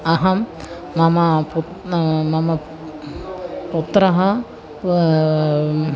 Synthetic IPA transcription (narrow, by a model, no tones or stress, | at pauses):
ɐɦɐmː | ɐmɐput̪mɐmɐ | put̪ɾɐɦɐ